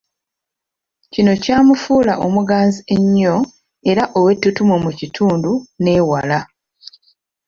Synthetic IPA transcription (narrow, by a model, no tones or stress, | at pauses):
cino̞caːmufuːlaʔo̞muɡaːzie̞ɲːo̞ | e̞ɾaʔo̞we̞tːutumomucitʰuːndune̞ːwala